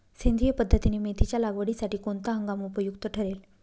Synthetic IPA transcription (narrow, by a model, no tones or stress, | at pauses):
send̪ʱijəpəd̪ʱːət̪ineːmet̪ʰit͡ɕjalaɡʋəɽisaʈiːkont̪aɦə̃ŋɡamupəjukt̪əʈʰəɾel